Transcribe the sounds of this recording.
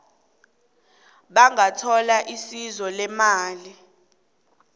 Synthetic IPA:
ɓaŋʱatʰɔlaʔisizɔlɛmaːli

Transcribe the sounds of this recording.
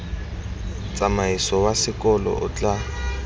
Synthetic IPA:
t͡sʼamaisɔwasɪkʼɔlɔ̰ʔʊt͡ɬʼa

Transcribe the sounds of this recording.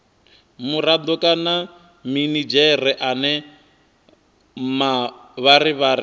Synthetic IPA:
muɾad̪ɔkʼana | minid͡ʒɛrɛʔanɛ | maβaɾiβaɾi

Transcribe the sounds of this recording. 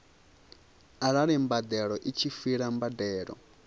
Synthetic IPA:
aɺaɺɛmbad̪ɛɺɔʔit͡ʃʰifiɺambadɛːɺɔ̰

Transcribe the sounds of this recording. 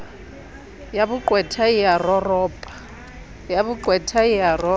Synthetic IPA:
jaβuǃwɛtʰaijarɔrɔːpʼḁ | jaβuǃwɛtʰaijarɔ

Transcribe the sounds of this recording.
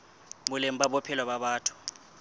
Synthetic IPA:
mulem̩ɓaɓɔpʰɛlwaɓaɓaːtʰu̥

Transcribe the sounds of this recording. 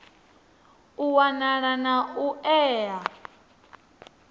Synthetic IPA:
uwanaɺanauʔɛːa

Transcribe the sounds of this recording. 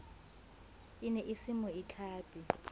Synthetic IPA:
inɛʔisimɔit͡ɬʰaːpʼi

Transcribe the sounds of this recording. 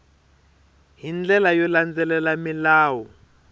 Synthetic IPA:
ɦind͡ɮɛlajɔland͡zɛlɛlamilaːwɔ

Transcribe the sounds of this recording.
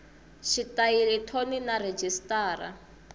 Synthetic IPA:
ʃitailɛtʰoninared͡ʒistaːɾa̰

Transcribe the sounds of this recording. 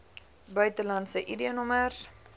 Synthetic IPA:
bœɥtəlɐntsəʔidiənɔmər

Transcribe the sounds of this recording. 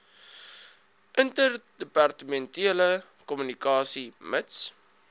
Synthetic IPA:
ʔəntərdəpɑrtəmɛntiələ | kɔmynikɑːsiməts

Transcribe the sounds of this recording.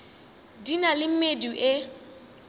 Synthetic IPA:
dinalɪm̩meduʔe

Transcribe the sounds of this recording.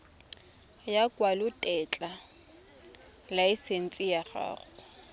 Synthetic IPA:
jakʼwalʊtʼɛt͡ɬʼa | laisen̩t͡sʼijaχa̰ːɣʊ

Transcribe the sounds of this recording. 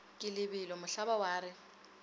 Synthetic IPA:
kʼɪlɪbɪlɔmʊɬabawaːɾɪ

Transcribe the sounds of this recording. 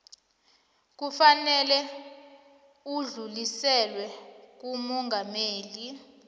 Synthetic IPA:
k̬ufanɛlɛ | uɮulisɛlwɛk̬umɔŋɡʱameːli

